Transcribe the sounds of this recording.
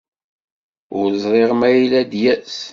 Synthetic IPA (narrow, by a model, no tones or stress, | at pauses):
ʊɾzˤɾˤeʁmæjilæd̪jæs